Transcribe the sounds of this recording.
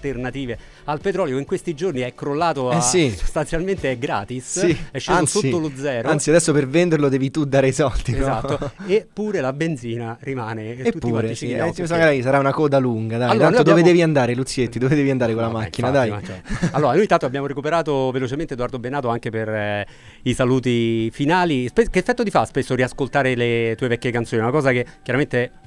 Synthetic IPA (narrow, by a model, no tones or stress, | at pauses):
lt̪ernat̪iːve | alpet̪ɾɔːljoiŋkwest̪id͡ʒorniɛkːɾolːaːt̪oɛsiso̥st̪ant̪sjalment̪eɛɡɾa̰ːt̪isiɛʃːeansoiːolod̪zɛːɾoant̪siad̪ɛsːopervɛnd̪erlod̪ɛːvit̪ud̪aːɾejsɔld̪inzat̪ːoepːuːɾelabend̪ziːnarimaːnet̪utp̪ːiɾeit͡ʃiiisaɾajsaɾaunakɔːd̪aluŋɡad̪ajaloːanoj̪od̪oved̪ɛːviand̪aːɾelut̪sːjet̪ːid̪oved̪ɛviand̪aːɾekolamakːinad̪ajat͡ʃɔaloːɾanojit̪ant̪oabjaːmoɾekupeɾaːt̪ovelot͡ʃement̪ed̪oard̪obenaːt̪oaŋkeper | isaluːt̪ifinaːlispekefːɛt̪ːod̪ifaspesːoɾiaskolt̪aːɾelet̪uːevɛkʲːjekant̪soːniunakɔːzakekʲːjaɾament̪e